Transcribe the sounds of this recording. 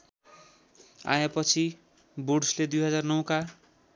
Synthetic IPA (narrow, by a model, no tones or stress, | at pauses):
a̰japʌt͡sʰi | buɽsled̪ujɦʌd͡zarnʌw̃ka